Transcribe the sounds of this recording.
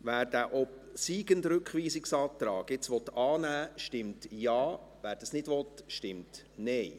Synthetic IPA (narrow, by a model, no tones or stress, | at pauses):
ʋæːɾd̥æːʔɔp | siːɡəndɾɵkχʋiːsɪksɑːt̪ɾɑːɡɪt͡sʋɔt̪ɑːnæːʃtɪmtjɑːvʋæːɾd̥ɑsnɪdʋɔt̪ʃtɪmt | nɛj